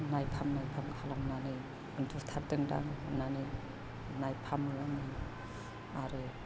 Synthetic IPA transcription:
najpʰamnajpʰamkʰalamnani | ɯndut̪ʰaɾdɯŋda̰ŋnani | najpʰamlani | aɾɯ

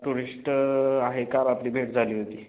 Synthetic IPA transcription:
ʈuɾisʈaɦekabapliːbʱeʈd͡zʱaliːɦot̪iː

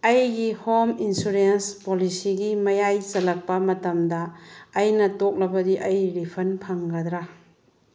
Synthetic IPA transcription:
ɐjɡihominsuɾenspolisiɡimɐjajt͡ʃɐlɐk̚pɐmɐtɐmdɐːjnɐtok̚lɐbɐdiʔɐjɾipʰɐnpʰɐŋɡɐd̪ɾɐ

